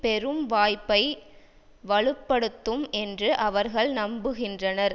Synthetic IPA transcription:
pɛɾɯmʋaːjpːɐɪ | ʋɐɭɯpːɐɽɯt̪ːɯmɛndrɯʔɐʋɐɾɣɐɭnɐmbɯɣɪndrɐnɐɾ

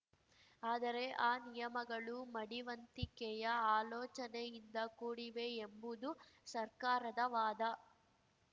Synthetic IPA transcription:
aːd̪ɐɾe̞ʔaːnijɐmɐɡɐɭumɐɽiʋɐnt̪ikɛjɐaːloːt͡ʃɐnejind̪ɐkuːɽiʋeembud̪usɐɾkaːɾɐd̪ɐʋaːd̪ɐ

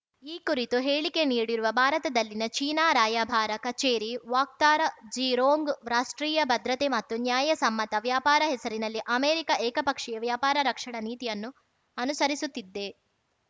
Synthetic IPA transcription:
iːkuɾit̪uɦeːɭike̞niːɽiɾuʋɐbʱaːɾɐt̪ɐd̪ɐlːinɐt͡ʃiːnaːɾaːjaːbʱaːɾɐkɐt͡ʃeːɾiʋaːk̚t̪aːɾɐd͡ʒiːɾoːŋɡɾaːʂʈɾiːjɐbʱɐd̪ɾɐt̪emɐt̪ːunjaːjɐsɐmːɐt̪ɐʋjaːpaːɾɐɦɛsɐɾinɐlːiʔɐmeːɾikɐɛːkɐpɐkʂɛjɐʋjaːpaːɾɐɾɐkʂɐɳɐniːt̪ijɐnːu | ɐnusɐɾisut̪ːid̪ːe̞

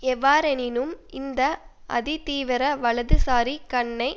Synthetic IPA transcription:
ɛʋːaːɾɛnɪnɯmɪnd̪ɐʔɐ̰ðit̪iːʋɪɾɐʋɐɭɐðɯsaːɾikɐɳːɐɪ

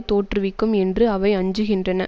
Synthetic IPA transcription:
t̪oːʈrɯʋɪkːɯmɛndrɯɐʋɐɪɐɲd͡ʒɯɣɪndrɐnɐ

